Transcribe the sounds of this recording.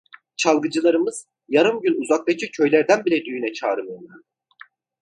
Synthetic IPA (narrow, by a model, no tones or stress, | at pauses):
t͡ʃʰalˠɡɯd͡ʒɯlˠaɾɯmɯz̥ | jaɾɯmɟynuzak̚t̪ˠat͡ʃʰɯcʰø̞jlʲæɾd̪ænbilʲɛd̪yjynɛt͡ʃʰaːɾɯmɯjolˠan